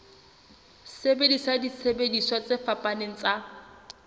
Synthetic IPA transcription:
sebedisadisʰebediswat͡sɪfapʼaneŋ̩t͡sʼa

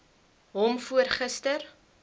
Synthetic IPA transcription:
ɦɔmfuərχəstər

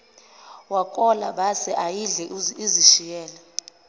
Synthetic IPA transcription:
wakʼɔla̰ɓasɛʔajiɮɛiziʃijɛːlɛ

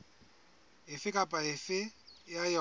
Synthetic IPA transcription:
ɪfɪkʼapʼaɪfɪjajɔ

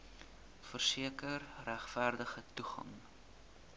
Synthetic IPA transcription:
fərsiəkərræχfærdəχətuχɐ̰ŋ

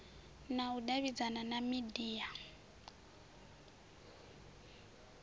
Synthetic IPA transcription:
nauɗaβid͡zananamidiːa

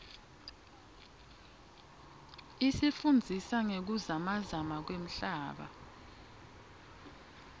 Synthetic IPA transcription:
isifund͡zʱisaŋek̬uzamazamak̬wem̩ɬaːɓa̰

